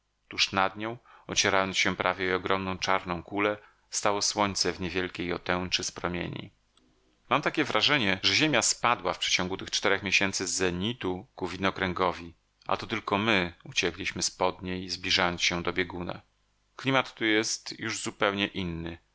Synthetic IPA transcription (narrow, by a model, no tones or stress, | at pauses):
t̪uʂnad̪ɲɔ̃w̃ɔt͡ɕeɛɾajɔnsɕɛpɾavʲjɛiɔɡɾɔmnɔ̃w̃t͡ʂaɾnɔ̃w̃kulɛ | st̪awɔswɔɲt̪sɛvɲevʲjɛlkʲejɔt̪ɛwt͡ʂɘspɾɔmʲjḛɲḭ | mamt̪akʲɛvɾʔaʐɛɲɛʐɛʑemʲjaspad̪wafpʂɛ̥t͡ɕɔ̃ŋɡut̪ɘxt͡ʂt̪ɛɾɛxmʲjeɕɛnt̪sɘzɛɲit̪ukuvʲinɔkɾɛŋɡɔvʲi | ʔa̰t̪ɔt̪ɘlkɔmɘut͡ɕɛklʲiɕmɘspɔd̪ɲejzblʲiʐajɔnsɕɛd̪ɔbʲjɛɡunɛ̰ | klʲimat̪ːujɛst̪juʐzupɛwɲɛʔinːɘ